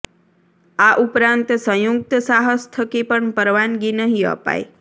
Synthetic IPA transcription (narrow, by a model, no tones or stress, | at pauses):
aʔupɾãnt̪sə̃juk̚t̪əsaɦəst̪ʰəkepəɳpəɾʋanɡinəɦĩə̰pa̰je